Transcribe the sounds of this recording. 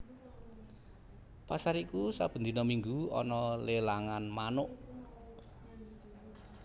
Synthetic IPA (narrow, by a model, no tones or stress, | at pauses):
pasaɾikusab̥ə̤nd̪inɔmiŋɡuɔ̰nɔlelaŋanmanʊʔ